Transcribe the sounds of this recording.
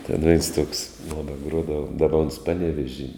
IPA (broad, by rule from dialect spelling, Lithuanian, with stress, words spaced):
tʲɛn ʋʲɛɪns tuɔks ˈmoːnɐ ˈɡruɔdɐʋɐ ˈdɑːbɐ oːns ˈpɑːˌnʲæːʋʲɛʒʲiː